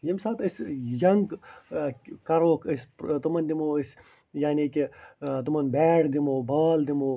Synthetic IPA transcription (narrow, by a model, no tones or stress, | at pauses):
jimsaːt̪isjɐŋɡ | kɐɾoːkʰispt̪umɐnd̪imoːis | jaːniːkit̪umɐnbɛːɽd̪imoːbaːld̪imoː